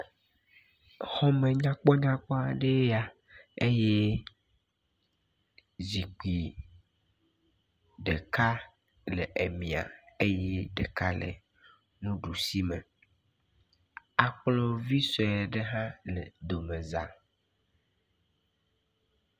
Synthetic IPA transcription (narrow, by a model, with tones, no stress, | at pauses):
hɔ˦mẽ˨ɲã˦k͡pɔ˦ɲã˦k͡pɔ˦a˨ɖe˦a˨ | e˦je˦ | zi˨k͡pi˨ | ɖe˨ka˦ | le˨ʔe˨mĩ˨a̰˨e˦je˦ɖḛ˨ka˦lḛ˨ | nũ˦ɖu˨si˦me˨ | a˨k͡plɔ˦vi˦sɔ˨e˨ɖe˦ɦã˦le˨d̪o˨mẽ˨za˨